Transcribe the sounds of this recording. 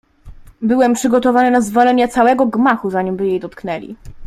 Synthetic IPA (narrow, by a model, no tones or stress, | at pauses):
bɘwɛmpʂɘɡɔt̪ɔvanɘnazvɔlɛɲat̪sawɛɡɔɡmaxuzaɲimbɘjejd̪ɔt̪knɛlʲḭ